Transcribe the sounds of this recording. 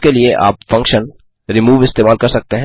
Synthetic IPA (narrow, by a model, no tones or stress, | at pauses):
kelieʔa̰ːpfɐ̃ŋkʃən | ɾɪmuːʋɪst̪eːmaːlkɐɾsɐk̚t̪eɦɛ̃